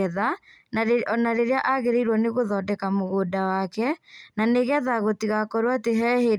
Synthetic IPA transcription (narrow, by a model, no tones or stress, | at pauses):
ɛða | ɔnaɾeɾejaʔaɣeɾeiɾwɔneɣoðɔdɛkamoɣoːdawakɛnaneɣɛðaɣotiɣakɔɾwateɦɛhe